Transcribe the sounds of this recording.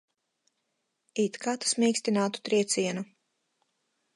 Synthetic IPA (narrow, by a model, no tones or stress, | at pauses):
it̪kat̪smʲiːkst̪inaːt̪u̥t̪ɾiɛt̪sʲiɛnu